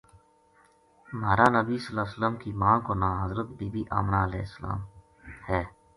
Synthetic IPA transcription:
maːɾaːnəbiːsəlaːsələmkiːmãːkoːnãːɦəzɾət̪̚biːbiːʔa̰ːmnaːəlḛːsːəla̰ːm | hɛː

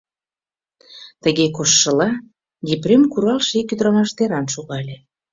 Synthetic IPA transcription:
t̪əɣekoʃːəlɑ | d̪ʲeprʲemkuɾɑlʃekyd̪ɾɑmɑʃt̪eɾɑnʃoɣɑlʲe

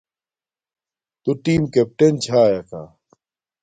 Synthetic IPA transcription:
t̪uʈiːmkep̚ʈent͡ɕʰaːjɐka̰ː

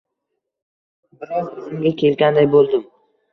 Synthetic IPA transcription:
bɪɾɒqʊnɪŋɡʲakʲʰe̞lɡʲand̪ajbolˠd̪ɪm

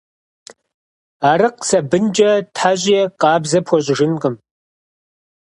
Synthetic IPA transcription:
aːɾɨqsɐbɨnd͡ʒʼɐtħaʑʼɪjɛqɑːbzɐpʰɔɕʼʒɪnqʼəm

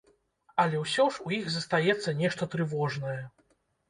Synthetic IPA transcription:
ɐlʲɛwsʲɔʂujiɣzɐst̪ajɛt̪sːɐnʲɛʂt̪ɐt̪ɾɨvɔʐn̪ɐjɛ

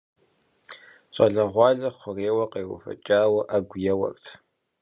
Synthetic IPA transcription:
t͡ʃʼɐɮɐʁʷɑːɮɐχʷʊreːwɐqeːwʊ̰fɐ̰t͡ʃʼaːwɐʔɐɡʷjɛwɐ̰rtʰ

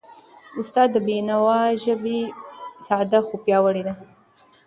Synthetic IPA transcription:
ʊst̪ɑd̪ːəbenawɑʒəbesɑd̪axupjɑwəɽed̪a

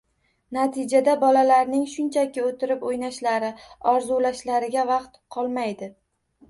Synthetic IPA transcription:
nat̪ʰɪd͡ʒad̪abɒlalaɾnɪŋʃʊnt͡ʃʰakʲɪot̪ʰɪɾɪpojnaʃlaɾɪɒɾzulaʃlaɾɪɡʲavɑqt̪qʰɒlˠmajd̪ɪ

